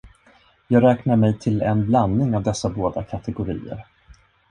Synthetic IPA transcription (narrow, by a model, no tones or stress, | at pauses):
jɑːɡɾɛːknaɾmɛjt̪ʰɪlɛnbland̪ːɪŋavd̪ɛsːaboːd̪akʰat̪ɛɡʊɾḭːə̰ɾ